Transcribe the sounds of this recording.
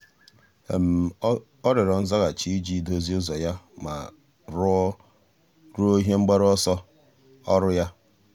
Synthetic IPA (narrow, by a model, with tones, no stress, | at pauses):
ḛ˨m̩˨ | ɔ˦ɾe˨ɾɔ˨n̩˦za˦ɣa˨t͡ʃi˦d͡ʒi˦˨do˦zi˦ʊ˦zɔ˨ja˦ma̰˨ | ɾʊ˦ɔ˦ | ɾʊ˦o˦ɦje˦ŋ͡m̩˦ɡ͡ba˦ɾɔ˦sɔ˦ | ɔ˦ɾʊ˦ja˦